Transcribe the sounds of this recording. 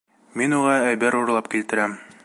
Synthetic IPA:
minuʁɑæjbæɾuɾlˠɑpkilt̪ɘ̆ɾæm

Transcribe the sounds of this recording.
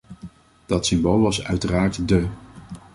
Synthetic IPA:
d̥ɑtsɪmbolˠʋɑsœ̰ɥtəraːɹtdə

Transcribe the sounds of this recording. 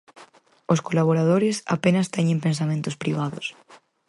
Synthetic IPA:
oskolaβ̞oɾað̞oɾɪsa̰penɐst̪ɛɲẽmpẽns̬amẽnt̪ʊspɾiβ̞aðʊs

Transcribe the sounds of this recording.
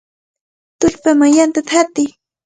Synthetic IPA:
t̪ʊʎpamaŋjant̪at̪ʰat̪ɪj

